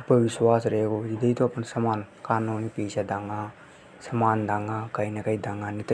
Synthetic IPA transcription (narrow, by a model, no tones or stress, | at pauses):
ɐpəʋɪswaːsɾɐɦeːɡoːd͡ʒɪd̪it̪oɐpnsɐmaːnkaːnuːnipiːt͡ʃʰad̪ãŋɡãː | sɐmaːnd̪ʱãŋɡãkɐinɐkɐid̪ãŋɡãnit̪